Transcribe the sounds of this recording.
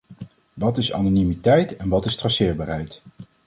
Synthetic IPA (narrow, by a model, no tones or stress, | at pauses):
ʋɑtɪsɑ̰nonimitɛjtɛnʋɑtɪstrɑsɪːɹbaːɹɦɛjt